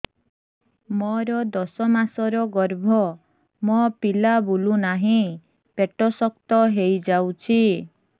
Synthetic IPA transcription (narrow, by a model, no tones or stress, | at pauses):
mɔɾɔd̪ɔsɔmasɔɾɔɡɔɾbʱɔ | mɔpilabulunaɦĩ | peʈɔsɔkt̪ɔɦejd͡ʒawt͡ʃʰi